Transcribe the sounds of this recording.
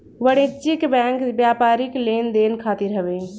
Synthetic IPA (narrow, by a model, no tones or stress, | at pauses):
ʋəɽet͡ʃikbɛ̃ŋkbjapaɾiklend̪enkʰat̪iɾɦəbe